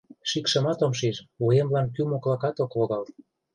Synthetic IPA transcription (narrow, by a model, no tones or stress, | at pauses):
ʃikʃə̆mɑt̪omʃ̬iʃuemlɑnkymoklɑkɑt̪okoɣɑl